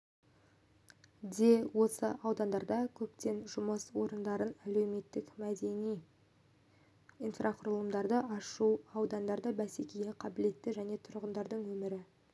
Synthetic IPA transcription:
d̪e̞wo̞səʔɑwd̪ɑnd̪ɑɾd̪ɑkʲʰɵpt̪e̞nʒʊməswo̞ɾənd̪ɑɾənæle̞wme̞t̪ːɪkmæd̪e̞nij | ijnfraqʰʊrlˠəmd̪ɑɾd̪əʔɑʃuɑwd̪ɑnd̪ɑɾd̪əbæsekʲejeqʰɑbɪle̞t̪ːɪʒæne̞t̪ʰʊɾʁənd̪ɑɾd̪əɴwɵmɪɾɪ

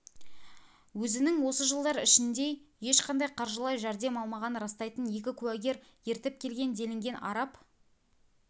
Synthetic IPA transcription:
wɵzɪnɪŋwo̞səʒəlˠd̪ɑɾɪʃɪnd̪e̞je̞ʃqʰɑnd̪ɑjqʰɑɾʒəlˠɑjʒæɾd̪e̞mɑlˠmɑʁɑnɾɑst̪ɑjt̪ənje̞kʲɪkʲʰʉwæɡʲe̞ɾje̞ɾt̪ɪp̚kʲʰe̞lɡʲe̞nd̪e̞lɪŋɡʲe̞nɑ̰ɾɑp

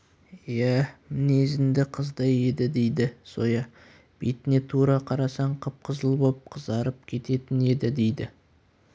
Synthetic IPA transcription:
jæmɪnezɪnd̪ɪqʰəzd̪ɑje̞d̪ɪd̪e̞jd̪ɪso̞jɑ | b̥et̪ɪne̞t̪ʰuɾɑqʰɑɾɑsɑɴqʰəp̚qʰəzəlˠbop̚qʰəzɑɾəp̚kʲʰe̞t̪e̞t̪ɪne̞d̪ɪd̪e̞jd̪ɪ

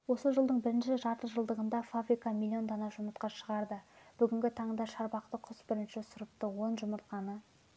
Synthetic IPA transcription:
wo̞səʒəlˠd̪əɴbɪɾɪnʃɪʒɑɾt̪əʒəlˠd̪əʁənd̪ɑfabɾijkɑmʲilʲːio̞nd̪onɑʒʊməɾt̪qɑʃəʁɑɾd̪əb̥ʏɡʲɪŋɡʲɪt̪ʰɑɴd̪ɑʃɑɾbɑq̚t̪əqʰʊsbɪɾɪnʃɪsʊɾəp̚t̪əwo̞nʒʊməɾt̪qɑnə

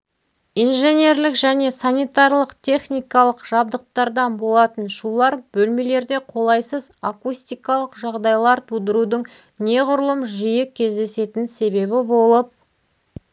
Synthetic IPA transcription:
ijnʒe̞nʲe̞rlɪkʒæne̞sanijt̪ɑɾlˠəqt̪ʲʰe̞χnʲijkɑlˠəqʒ̥ɑb̚d̪əq̚t̪ɑɾd̪ɑnbo̞lˠɑt̪ənʃulˠɑɾbɵlme̞le̞ɾd̪e̞qʰo̞lˠɑjsəzakusʲt̪ijkɑlˠəqʒɑʁd̪ɑjlˠɑɾt̪ʰud̪əɾud̪əɴ | ne̞ʁʊɾəlˠəmʒijɪkʲʰːe̞zd̪e̞se̞t̪ɪnse̞be̞bɪbo̞lˠəp̚

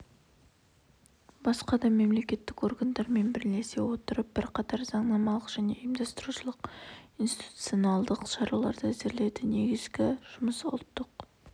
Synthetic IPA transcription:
bɑsqɑd̪ɑme̞mle̞kʲe̞t̪ːɪko̞rɡand̪ɑɾme̞nbɪɾle̞se̞wo̞t̪əɾəp̚b̥ɪɾqʰɑt̪ɑɾzɑɴnɑmɑlˠəqʒ̥æne̞̰jmd̪ɑst̪əɾuʃəlˠəqinst̪i̥t̪u̥t̪sjo̞nɑlˠd̪əqʃɑɾɑlˠɑɾd̪əæzeɾle̞d̪ɪne̞ɡʲɪzɡʲɪʒ̥ʊməsʊ̰lˠt̪ːəq

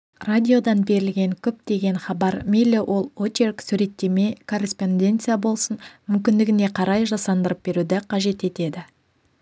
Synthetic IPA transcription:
radʲio̞d̪ɑnbe̞ɾɪlɡʲe̞ŋkʲʰɵp̚t̪e̞ɡʲe̞nχɑbɑɾmijlʲewʔo̞lˠot͡ʃerksʉɾe̞t̪ːe̞me̞kʰo̞rʲe̞spo̞nd̪ʲe̞nt̪sɨjabo̞lˠsənmʏmkʲɪnd̪ɪɡʲɪne̞qʰɑɾɑjʒɑsɑnd̪əɾəp̚be̞ɾud̪ɪqʰɑʒe̞t̪e̞t̪e̞d̪ɪ

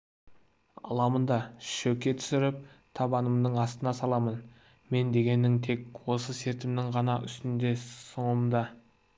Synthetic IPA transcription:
ɑ̰lˠɑmənd̪ɑʃɵkʲːe̞t̪ʰʏ̥sɪɾɪp̚t̪ʰɑbɑnəmd̪əɴɑst̪ənɑsɑlˠɑmən | me̞nd̪e̞ɡʲe̞nːɪŋt̪ʰe̞kwo̞səse̞ɾt̪ɪmnɪŋʁɑnɑʔʏ̰st̪ɪnd̪e̞səɴəmd̪ɑ

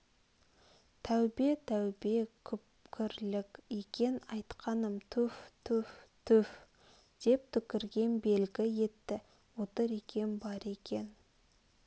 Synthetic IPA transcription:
t̪ʰæwbet̪ʰæwbe̞kʲʰʏp̚kʲʰɪɾlɪkʲekʲenɑjt̪qʰɑnəmt̪ʰɵft̪ʰɵft̪ʰɵf | d̪̥e̞p̚t̪ʰʏkʲɪɾɡʲe̞nbe̞lɡʲɪje̞t̪ːɪ | wo̞t̪əɾe̞kʲe̞nbɑɾe̞kʲe̞n

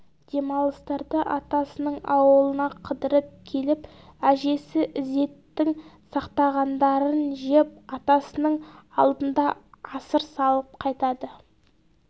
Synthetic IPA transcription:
d̪̥e̞mɑlˠəst̪ɑɾd̪əʔɑt̪ɑsənəɴɑwəlˠənɑqʰəd̪əɾəp̚kʲʰe̞lɪp | æʒe̞sɪʔɪze̞t̪ːɪŋsɑqt̪ɑʁɑnd̪ɑɾənʒep̚ɑt̪ɑsənəɴɑ̰lˠd̪ənd̪ɑɑsəɾsɑlˠəp̚qʰɑjt̪ɑd̪ə

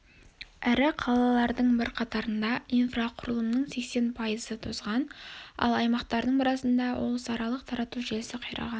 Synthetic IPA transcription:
æɾɪqʰɑlˠɑlˠɑɾd̪əɴbɪɾqʰɑt̪ɑɾənd̪ɑijnfraqʰʊɾəlˠəmnəɴse̞kse̞npʰɑjəzət̪ʰozʁɑnɑ̰lˠɑjmɑqt̪ɑɾd̪əɴmɑɾɑsənd̪ɑwʔo̞̰lˠsɑɾɑlˠəq̚t̪ʰɑɾɑt̪uʒelɪsɪqʰɑjɾɑ̰ʁɑn

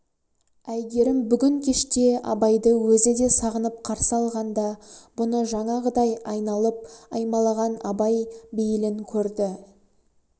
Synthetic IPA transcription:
æjɡʲe̞ɾɪmbʏɡʲɪŋkʲʰe̞ʃt̪e̞ɑ̰bɑjd̪əwɵzɪd̪e̞sɑʁənəp̚qʰɑɾsəɑlˠʁɑnd̪ɑb̥ʊnəʒɑɴɑʁəd̪ɑjɑjnɑlˠəp̚ɑjmɑlˠɑʁɑnɑbɑjbejɪlɪŋkʲʰɵɾd̪ɪ

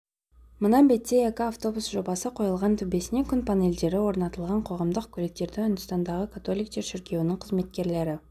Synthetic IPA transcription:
mənɑbe̞t̪ːeekʲɪaft̪o̞busʒo̞bɑsəqʰo̞jəlˠʁɑnt̪ʰʏbe̞sɪne̞kʲʰʏnpʰane̞ld̪e̞ɾɪwo̞ɾnɑt̪əlˠʁɑɴqʰo̞ʁɑmd̪əqkʲʰɵlek̚t̪e̞ɾd̪ɪʏnd̪əst̪ɑnd̪ɑʁəkʰat̪o̞lijk̚t̪eɾʃɪɾkʲe̞wɪnɪŋqʰəzme̞t̪̚kʲe̞ɾle̞ɾɪ

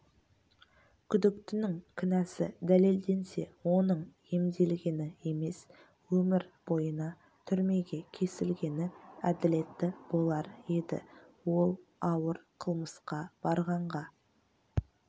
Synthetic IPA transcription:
kʲʰʏd̪ɪkt̪ɪnɪŋkʲʰʏnæsɪ̰d̪æle̞ld̪e̞nse̞̰wo̞nəɴje̞md̪e̞lɡʲe̞nɪe̞me̞s | wɵmɪɾb̥o̞jənɑ | t̪ʰʏɾme̞ɡʲe̞kʲʰe̞sɪlɡʲe̞nɪæd̪ɪle̞t̪ːɪb̥o̞lˠɑɾje̞d̪ɪ̰ | wo̞lˠɑwəɾqʰəlˠməsqɑb̥ɑɾʁɑɴʁɑ

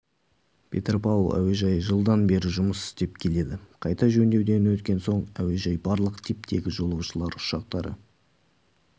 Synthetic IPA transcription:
pʲʰe̞̰t̪rpɑulˠæ̰we̞ʒɑjʒəlˠd̪ɑnbe̞ɾɪʒʊməsɪ̥st̪e̞pkʲʰe̞le̞d̪ɪqʰɑjt̪ɑʒɵnd̪e̞wd̪e̞nwɵt̪kʲe̞nso̞ɴæwe̞ʒɑjbɑɾlˠəqt̪ʰip̚t̪ʰe̞ɡʲɪʒo̞lˠɑwʃəlˠɑɾʊ̥ʃɑq̚t̪ɑɾə̰

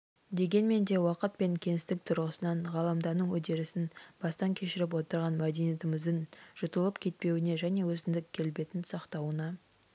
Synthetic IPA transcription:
d̪e̞ɡʲe̞nme̞nd̪e̞wɑqət̪̚pe̞ŋkʲʰe̞ŋɪst̪ɪk̚t̪ʰʊɾʁəsənɑɴʁɑlˠɑmd̪ɑnəɴwɵd̪e̞ɾɪsɪnb̥ɑst̪ɑŋkʲʰe̞ʃɪɾɪp̬wo̞t̪əɾʁɑnmæd̪e̞nijet̪ɪmɪzd̪əɴʒ̥ʊt̪əlˠəpkʲʰe̞t̪̚pe̞wɪneʒæne̞wɵzɪnd̪ɪkʲʰːe̞lbe̞t̪ɪnsɑqt̪ɑwənɑ

